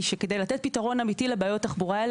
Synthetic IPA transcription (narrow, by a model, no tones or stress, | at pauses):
ʃeked̪ejlat̪et̪̚pitaʁo̞namit̪ilebeajot̪ːaχbuʁa